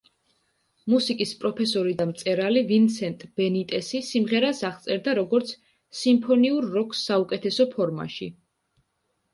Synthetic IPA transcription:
musikʼispʼɾɔpʰɛsɔɾid̪amt̪sʼɛɾalivint̪sʰɛnt̪ʼb̥ɛnit̪ʼɛsisimʁɛɾasaʁt̪sʼɛɾd̪aɾɔɡɔɾt̪sʰ | simpʰɔniuɾːɔkʼsːaukʼɛt̪ʰɛsɔpʰɔɾma̰ʃḭ

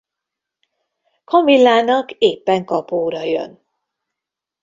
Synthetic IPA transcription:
kʰomvilːaːnɒkeːpːɛŋkɒpoːɾɒjø̰n

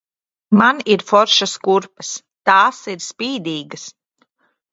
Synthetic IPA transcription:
maniɾfɔɾʃaskuɾpɐs | t̪aːsiɾspiːd̪iːɡɐs

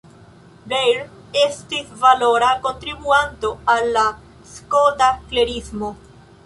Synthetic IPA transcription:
ɾejɾ | estisvalo̞ɾako̞nt̪ɾibuanto̞alːa | skodakle̞ɾismo̞

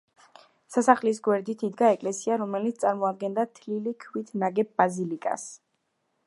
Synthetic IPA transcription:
sasaχlis̬ɡwɛɾd̪it̪ʰid̪ɡaɛkʼlɛsiaɾɔmɛlit̪st̪sʼaɾmɔad̪̚ɡɛnd̪at̪ʰlilikʰwit̪ʰnaɡɛb̚ːazilikʼa̰s

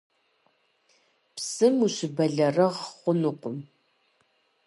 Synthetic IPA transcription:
psɨmuɕɪbɐɮɐrɐʁχʷʊnuqʷʼʊm

